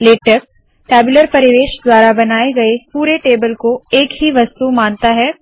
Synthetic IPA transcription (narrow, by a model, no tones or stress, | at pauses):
leːʈəɾ | kɛːbɪləɾpɐɾɪʋeːʃd̪waːɾabɐnaːeɡɐepuːɾeʈeːbəlkoeːkɦiʋɐst̪umãːnt̪aɦɛː